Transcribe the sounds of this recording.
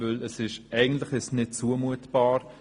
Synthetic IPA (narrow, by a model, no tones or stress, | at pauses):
ʏləsɪʃʔɛɪɡn̩tlɪχɪsnɪt̚t͡suəmuətb̥ɑːɾ